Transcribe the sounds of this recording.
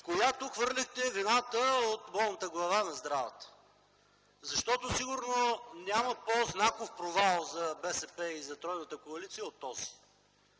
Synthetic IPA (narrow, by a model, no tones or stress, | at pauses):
kojat̪ukvɤɾlʲixt̪ɛvinat̪əot̪bɔlˠnət̪əɡlˠɐvanɐzd̪ɾavət̪ə̥ | zɐʃt̪ɔt̪osiɡʊɾnonʲjaməpoznakofpɾovalˠzɐbɛsɛpɛizɐt̪ɾɔjnət̪əkoɐlit̪sijəot̪ːɔzi̥